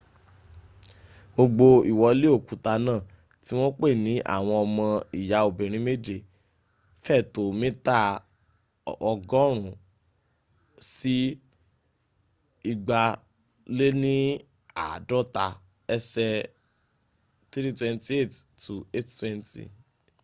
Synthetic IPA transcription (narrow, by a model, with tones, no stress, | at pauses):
ɡ͡bo˧ɡ͡bo˧i˨wɔ˨˧˦le˦o˦˨ku˨ta˧nãː˦˨ | ti˦w̃ɔ̃˦k͡pe˦˨nĩ˨˦ʔa̰˦˨w̃ɔ̃˧ɔ˧mɔ̃˧i˨ja˨˦o˨bĩ˨ɾ̃ĩ˨˦me˦d͡ʒe˨ | fɛ˦˨to˨mẽ˦ta˦ | ɔ˧ɡɔ̃˦ɾ̃ũ˨ | si˦ | i˦˨ɡ͡ba˧ | le˦nĩ˦ | a̰˦˨dɔ˦ta˧ | ɛ˧sɛ˧ | t̪ɾi˦twɛ̃˦nti˦e˦˨ttu˨e˦˨ttwɛ̃˦ntḭ˨